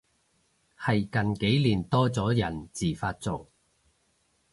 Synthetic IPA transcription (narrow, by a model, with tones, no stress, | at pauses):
hɐ˨jkɐ˨nke˨˥jliː˨˩nt̪ɔː˥t͡sɔː˨˥jɐ˨˩nt͡siː˨˩faː˧t̚t͡so˨w